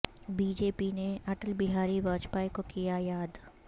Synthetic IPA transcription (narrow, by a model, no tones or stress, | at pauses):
biːd͡ʒeːpineɐʈəlbɪɦaːɾiʋəːt͡ʃpaːikokijajaːd̪